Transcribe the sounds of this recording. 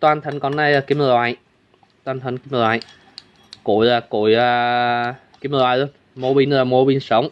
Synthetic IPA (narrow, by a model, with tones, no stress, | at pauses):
t̪waː˧nt̪ʰə˨˩ŋkɔ˨˩nːa˧jaː˨˩ki˧˦mə˧lwaː˧˨˩j | t̪waː˧nt̪ʰə˨˩ŋki˧˦m˧˨lwaː˨˩j | kṵ˧˩˨jaː˨˩kṵ˧˩˦jəː˧ | ki˧˦m˧˨waː˨jz | mo˧˦ɓi˧nlaː˨˩mo˧˦ɓi˧nsə˨˦wŋ͡m